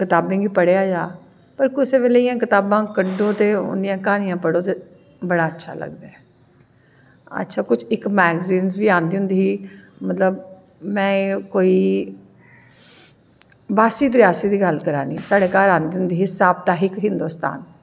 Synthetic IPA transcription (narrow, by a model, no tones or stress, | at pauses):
kɪt̪aːbẽːɡiːpəɽeːaːd͡ʒaː | pəɾkɪseːʋeːleijãːkɪt̪aːbãːkəɖoːt̪eːʊ̰nd̪ɪjãːkaːnɪjãːpəɽoːt̪eː | bəɽaːətːʃʰa̰ːlə̰ɡ̚d̪aɛ | ə̰tːʃʰaːkʊt͡ʃʰɪkmɛːɡziːnzʋiːãːnd̪iːɦʊ̃nd̪iːɦiːmət̪ləb | mɛ̃ːkoːiː | baːsiːd̪ɾɪjaːsiːd̪iːɡəlkəɾã̰ːnĩːsaːɽeːkaːɾãːnd̪iːɦʊnd̪iːɦisaːbt̪aːɦɪkɦɪ̃nd̪oːst̪a̰ːn